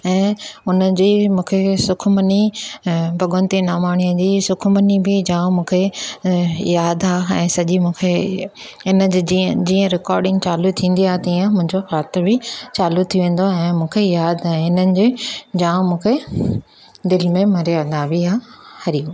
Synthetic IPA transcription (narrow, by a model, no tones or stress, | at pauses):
ɛ̃ːʊnəd͡ʑiːmũːkʰesʊkʰməni | bʱɐɠə̃nt̪inaːmaːɽ̃ijəd͡ʑiːsʊkʰmənibɪd͡ʑãːmũːkʰe | jaːd̪aːɛ̃ːsɐʄimũːkʰe | ɪnə̆d͡ʑid͡ʑĩːə̃ɾɪkɔːɾɖɪ̃ŋɡt͡ɕaːlut̪ʰĩːn̆d̪iaːɦet̪iːə̃mʊ̃ɦɪ̃ɲd͡ʑoxaːt̪bɪt͡ɕaːlut̪ʰijoʋẽːn̆d̪oɛ̃ːmũːkʰejaːd̪aɦeɪnənɪ̆d͡ʑed͡ʑãːmũːkʰe | d̪ɪlmẽmɐɾiad̪aːʋiaːhɐɾiu